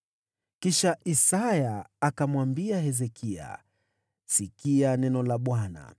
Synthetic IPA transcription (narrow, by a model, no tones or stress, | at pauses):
kiʃaʔisajaːkamwambiahɛzɛkʰia̰ | sikianɛnɔlaɓwana̰